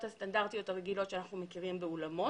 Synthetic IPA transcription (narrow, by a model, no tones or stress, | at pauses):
t̪hast̪andaʁt̪ijo̞t̪haʁeɡilo̞tʃeanaχnumekiʁimbeulamo̞